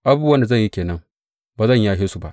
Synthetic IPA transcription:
ʔa˦buː˦wɐ˦nda˨zɐ˦˨ɲji˦kʲeː˨nɐ˦ŋ | baː˨zɐ˦˨ɲjaː˦ɦeː˦su˨ba˦ʔ

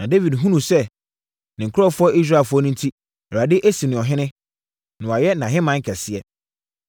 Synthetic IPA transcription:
nã˨de˦vi˨dɦũ˦nũ˨sɛ˦ | nɪ̃˨ŋ̩˨kʰʊ˦ɔ˦˨fʊ˦ɔ˦ʔi˦s̬ɾa˦˨fʊ˦ɔ˦nĩ˦ntʰi˦ | ɔ˨ɾa˨dɪ˦ʔe˦si˨nɪ̃˨ɔ˨ɦɪ̃˦nɪ̃˦ | nɪ̃˨wa˨jɛ˦nã˨ɦɪ̃˦mã˦ŋ̩˦kʰɛ˨sɪ˦ɛ˦

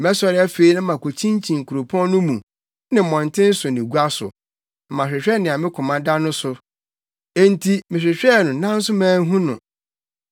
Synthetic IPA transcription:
mɛ˦sɔ˦ɾɪ˦a˦fe˦i˦nʊ̃˦mã˨kʰo˨t͡ɕʰĩ˦n˦t͡ɕʰĩ˨ŋ̩˨kʰu˨ɾo˨pʰɔ̃˦n˦nʊ̃˦mũ˨ | nɪ̃˨mɔ̃˨n˨tʰɪ̃˦n̩˦sʊ˨nɪ̃˨ɡu˦a˦sʊ̰˨ | mã˨ɕᶣɪ˨ɕᶣɛ˦nɪ̃˨a˨mɪ̃˦kʰʊ̃˨mã˨da˦nʊ̃˦sʊ˨ | e˦n̩˦tʰi˦mɪ̃˨ɕᶣɪ˨ɕᶣɛ˦˨nʊ̃˨˦nã˦n̩˦sʊ˦mãː˦ɦũ˦nʊ̰̃˨

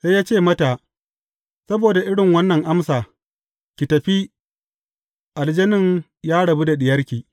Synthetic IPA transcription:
se˦jaː˦t͡ʃeː˦˨mɐ˦ta˨ | sɐ˦boː˨da˨ʔɪ˦ɽɪ˨ŋwɐ˦nːɐ˨ŋʔa˦msaː˨ | kʲɪ˨tɐ˨ɸi˦ | ʔa˨ld͡ʒɐ˦nɪ˦ŋ | jaː˦ɽɐ˨bu˦da˨ɗɪ˨jɐ˦ɾkʲiː˨

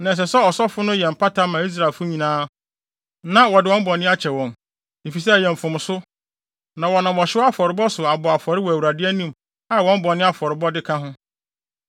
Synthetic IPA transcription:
nã˨ɛ˨s̬ɛ˨sɛ˦ɔ˨sɔ˦fʊ˦nʊ̃˦jɛ˨m̩˨pʰa˦ta˦mã˨i˦s̬ɾa˨ɪ˨lfʊ˦ɲĩ˨nãː˦ | nã˦wɔ˨dɪ˨ɔ̃˦m̩˦bɔ˨nɪ̃˦a˦t͡ɕʰɛ˨wɔ̃˨m | e˨fi˨s̬ɛ˦˨jɛ˨m̩˨fʊ̃˨m˨sʊ˦ | nã˨wɔ˨nã˨m˨ɔ˨ɕɪ˦ɔ˦a˦fɔ˨ɾɪ˨bɔ˦sʊ˨a˨bɔ˨a˨fɔ˨ɾɪ˦wɔ˨æ˨wu˨ɾa˨dɪ˦æ˦nĩ˦˨m | a˦˨wɔ̃˦m̩˦bɔ˨nɪ̃˦a˦fɔ˨ɾɪ˨bɔ˦dɪ˦kʰã˦ɦʊ̃˦

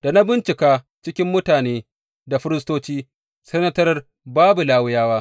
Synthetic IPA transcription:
d̥a˨na˦bɪ˦nt͡ʃɪ˨kaː˦ | t͡ʃɪ˦kʲɪ˦mːʊ˦taː˨neː˦ | da˨ɸɪ˦ɾɪ˦s̬toː˦t͡ʃiː˦ | sɐ˦nɐ˦tɐ˦r | baː˦bu˨laː˦wʊ˦jaː˦waː˦

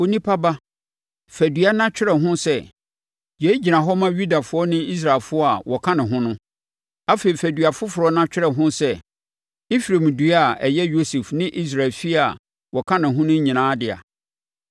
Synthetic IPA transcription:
o˨˦nĩ˦pʰa˦ba˦ | fæ˨dɥa˦nã˦t͡ɕᶣɪ˦ɾɛ˨ɦʊ̃˦sɛ˦ | je˨˦i˦d͡ʑi˨nã˨ɦɔ˦mã˦ɥu˦da˨fʊ˨˦ɔ˦nɪ̃˦i˦s̬ɾa˨lfʊ˦ɔ˦a˨wɔ˨kʰã˦nɪ̃˨ɦʊ̃˦nʊ̃˦ | a˦fe˨i˨fæ˨dɥa˨fʊ˦fʊ˨ɾɔ˨nã˦t͡ɕᶣɪ˦ɾɛ˨ɦʊ̃˦sɛ˦ | i˦fɾe˨mdu˦a˨ɛ˨jɛ˦jo˦se˨fnɪ̃˦ʔi˦s̬ɾa˨lfi˦a˨ | wɔ˨kʰã˦nɪ̃˨ɦʊ̃˦nʊ̃˦ɲĩ˨nãː˨˦dɪ˨a̰˨

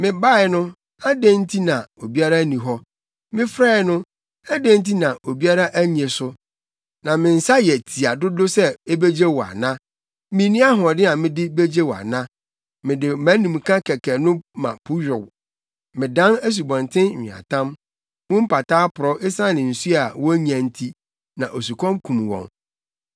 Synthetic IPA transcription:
mɪ̃˨ba˦˨ɪ˨˦nʊ̃˦ | a˦dẽ˦n̩˦tʰi˦nã˨o˨bi˦a˦ɾa˦nĩ˨ɦɔ˦ | mɪ̃˦fɾa˦˨˦nʊ̃˦ | a˦dẽ˦n˦t̬i˦nã˨ʔo˨bi˦a˦ɾa˦ʔæ˦ɲ˨ẽ˨sʊ˦ | nã˨mɪ̃˨n̩˨sa˦jɛ˨tʰi˨a˨dʊ˦dʊ˦sɛ˦e˦be˦d͡ʑe˦wɔ˨a̰˨nã˦ | mɪ̃˦nĩ˦a˦ɦɔ̃˨dɪ˦nã˨mɪ̃˦dɪ˦be˦d͡ʑe˦wɔ˨a̰˨nã˦ | mɪ̃˨dɪ˨mæ̃˨˦nĩ˨m˨kʰã˦kʰɛ˨kʰɛ˨nʊ̃˦mã̰˨pʰʊ˦ɥᶣʊ˨w | mɪ̃˨dã˦næ˦s̬u˨bɔ̃˨ntʰɪ̃˦˨ɪ̃˨a̰˨tʰã˦m | mʊ̃˦m̩˦pa˨tʰaː˦pʰʊ˨ɾɔ˦ʔe˦sã˦nɪ̃˨n̩˨su˦a˨wɔ˦ɲ˦æ̃˨n̩˦tʰi˦ | nã˨ʔo˨s̬u˨kʰɔ̃˦mkʰũ˨m˨wɔ̰̃˨ŋ

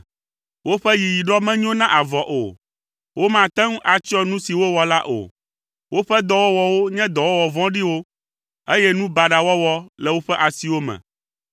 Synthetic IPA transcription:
wo˦ɸɛ˦ji˨ji˨ɖɔ˦mɛ̃˦ɲ˦ɔ̃˦nã˦ʔa˨vɔ˨ʔo̰˨ | wo˦mã˨t̪ɛ̃˦ŋ˦ʔa˨t͡ʃi˦ɔ̃˦nũ˦si˨wo˦wɔ˨la˦ʔo̰˨ | wʔo˦ɸɛ˦d̪ɔ˨wɔ˦wɔ˨wo˦ɲɛ̃˦d̪ɔ˨wɔ˦wɔ˨vɔ̃˦ɖi˦wo˦ | e˦jɛ˦nũ˦ba˨ɖa˨wɔ˦wɔ˦lɛ˨wo˦ɸɛ˦ʔa˨si˨wo˦mɛ̰̃˨

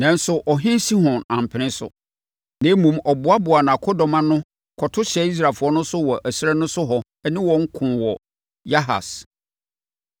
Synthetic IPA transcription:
nã˨n˦sʊ˦ʔɔ˨ɦɪ̃˦si˦hɔ̃˨nã˨m˨pʰɪ˨nɪ̃˦sʊ̰˨ | nẽ˨˦mũ˨mɔ˨bʊ˨˦a˦bʊ˨a˨nã˨kʰɔ˦dɔ˨mã˦nʊ̃˦ | kʰɔ˨tʰʊ˦ɕɛ˦i˦s̬ɾa˨fʊ˨˦ɔ˦nʊ̃˦sʊ˦wɔ˨ʔæ˨si˦ɾɛ˦nʊ̃˦sʊ˦ɦɔ˨ | ɛ˦nɪ̃˦wɔ̃˨ŋ̩˦kʰʊ̃˨wɔ˨ | ja˦ɦa̰˨s

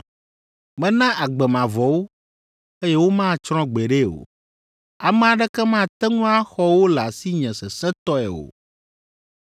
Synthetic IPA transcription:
mɛ̃˨nã˦ʔa˨ɡ͡bɛ˨mã˨vɔ˨wo˦ | e˦jɛ˦wo˦mã˦t͡ʃɾɔ̃˦ɡ͡bɛ˨ɖe˦o̰˨ | a˨mɛ̃˨a˨ɖɛ˦kɛ˦mã˦˨t̪ɛ˦ŋũ˦a˦xɔ˦wo˦la˨si˦ɲɛ̃˨sɛ˨sɛ̃˦t̪ɔ˦ɛ̰˨o̰˨

